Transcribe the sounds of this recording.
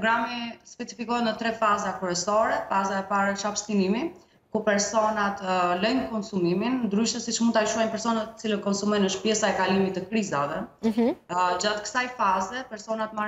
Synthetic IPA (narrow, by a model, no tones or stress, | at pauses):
pɔɡɾamispɛt͡si̥fikɔɦɛt̪nət̪ɾɛfazakɾuɛsɔɾɛfazaɛpaɾɛt͡ʃapst̪inimi | kupɛɾsɔnat̪lɛjnəkɔnsumiminnd̪ɾyʃt̪əsit͡ʃmunt̪ajʃuajnpɛɾsɔnat̪ːə̥t͡siləkɔnsumɔjnəʃt̪pjɛsaɛkalimit̪ːəkɾizavɛ | d͡ʑat̪kə̥sajfazɛpɛɾsɔnat̪ma